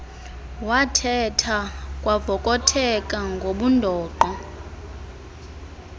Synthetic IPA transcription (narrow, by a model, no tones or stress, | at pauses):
watʰɛtʰakʼwavɔkʼɔtʰɛkʼaŋɡʱoɓundʱɔːǃɔ